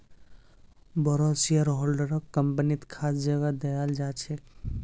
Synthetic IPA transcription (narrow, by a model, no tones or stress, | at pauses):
bɔɾosijəɾɦoːlɖəɾɔkːəmpənit̪kʰaːsd͡ʒəɡad̪ɐjald͡ʒaːt͡ʃʰek